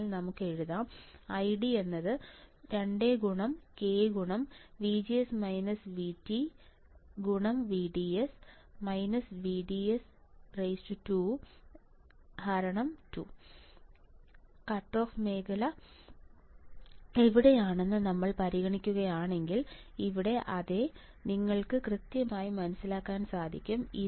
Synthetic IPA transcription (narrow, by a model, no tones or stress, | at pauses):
lnɐmukːɨe̞ɻuðɐɐjɖie̞nːɐðɨɾeɳɖe̞ɡuɳɐmke̞ːɡuɳɐmʋid͡ʑiesmɐjnɐsʋiti | ɡuɳɐmʋiɖies | mɐjnɐsʋiɖiesrejsutu | hɐɾɐɳɐmtu | kɐʈro̞ːfme̞ːkɐlɐ | eʋiɽe̞jaːɳe̞nːɨnɐmːɐɭpɐɾiɣɐɳikʲːuɣɐjaːɳe̞ŋɡiliʋiɽe̞ʔɐðe | niŋːɐɭkɨkrɨt̪jɐmaːjimɐnɐsilaːkːaːnsaːd̪ʱikʲːumi